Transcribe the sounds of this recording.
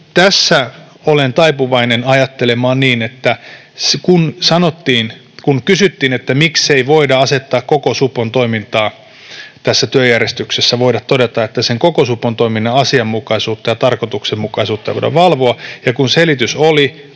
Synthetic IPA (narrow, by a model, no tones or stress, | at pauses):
t̪æsːæ | olent̪ɑipuʋɑinenɑjɑt̪ːelemɑːnniːnet̪ːæ | skunsɑnot̪ːiːn | kunkysyt̪ːiːnet̪ːæmikseiʋoidɑɑset̪ːɑːkkokosupːont̪oimint̪ɑː | t̪æsːæt̪yøjærjest̪yksesːæʋoidɑt̪t̪odet̪ɑet̪ːæseŋkokosupːont̪oiminːɑɑsiɑmːukɑisuːt̪ːɑjɑt̪ɑrkot̪uksemmukɑisuːt̪ːɑj̰ʋo̰ɾɑ̰ʋʋɑlʋoɑjɑkunselit̪ysoli